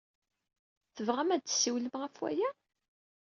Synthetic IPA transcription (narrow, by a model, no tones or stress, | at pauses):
θəvʁæmæd̪t͡sːsːiwləmʁæfwæ̰jæ